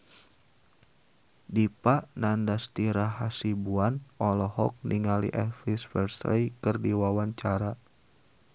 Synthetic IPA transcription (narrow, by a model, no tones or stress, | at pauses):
dipaʔnandast̪iɾaɦasibuanɔlɔhɔk̚niŋalḭʔɛfisfɛ̰rsr̰jkɨrdiwawaɲt͡ʃaɾa